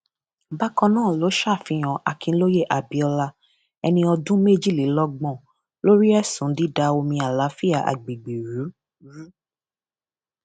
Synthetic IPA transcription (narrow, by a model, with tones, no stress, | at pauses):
ba˦kɔ̃˧nãː˦˨lo˨˦ʃa˦˨fĩ˨˧˦j̃ɔ̃˨ʔa˨kĩ˧˦lo˦je˦˨ʔa˨bi˨˧ɔ˧la˧ | ɛ˧nĩ˧ɔ˧dũ˦me˦˨d͡ʒi˦˨li˨˦lɔ˦ɡ͡bɔ̃˦˨ | lo˦ɾi˦ɛ˦sũ˨˦di˦da˧o˧mĩ˧a˨la˨˦fi˦a˦˨ʔa̰˨ɡ͡bi˨ɡ͡be˨ɾu˨˦ | ɾu˦